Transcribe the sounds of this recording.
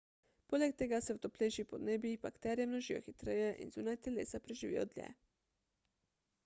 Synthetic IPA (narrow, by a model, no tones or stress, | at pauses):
polʲekt̪eɡasɛwt̪oplʲejʃipod̪neːbjipakt̪ɛɾjemnoʒijo̰xit̪ɾejeʔḭnzuːnajt̪elḛːsapɾeʒiʋḭjo̰d̪lʲjɛ̰